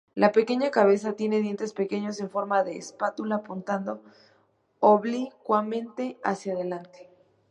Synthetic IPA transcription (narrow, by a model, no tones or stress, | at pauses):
lape̞ke̞ɲakaβ̞e̞s̬at̪je̞ne̞ðje̞nt̪e̞spe̞ke̞ɲo̞se̞ɱfo̞ɾmaðe̞ːspat̪ulapunt̪and̪o̞ | oβlikwamẽ̞nt̪e̞a̰sjaðe̞lant̪e̥